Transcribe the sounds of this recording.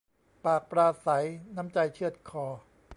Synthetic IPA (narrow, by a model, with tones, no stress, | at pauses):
paː˨˩k̚pɾaː˧sa˩˦jna˦˥mt͡ɕa˧jt͡ɕʰɯ˥ət̪̚kʰɔː˩˦